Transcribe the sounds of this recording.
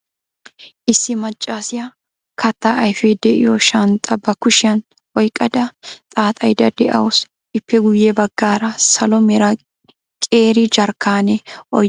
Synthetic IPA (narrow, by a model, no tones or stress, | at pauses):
ʔɪsːɪmɐt͡ʃʼːaːsɪjɐ | kʰɐt̪ːaʔɐjfɛd̪ɛʔɪjɔʃɐnt̪ʼːɐbɐkʊʃɪjɐn | ɔjkʼːɐd̪ɐt̪ʼaːt̪ʼɐjd̪ɐd̪ɛʔɐ̰wɔs | ʔɪpːɛɡʊjːɛbɐɡːaːɾɐsɐlɔmɛɾɐ | kʼeːɾɪd͡ʒɐɾkːaːnɛʔɔ